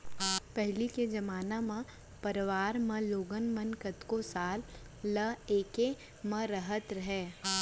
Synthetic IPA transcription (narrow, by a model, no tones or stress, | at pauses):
pɛɦliked͡ʒɐmaːnamã | pɐɾʋaːɾmɐ̃loːɡənmənkət̪kosaːlː | əeːke | mə̃ɾəɦət̪ɾɐɦɛː